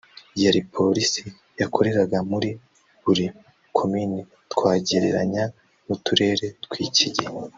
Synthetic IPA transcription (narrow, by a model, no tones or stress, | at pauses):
jaɾipʰo̞ɾisi | jakʰo̞ɾe̞ɾaɡamuɾi | buɾi | kʰo̞mini | tkwaːɟiɾeɾaɲa | mutuɾe̞ːɾe̞tkwiːciɟe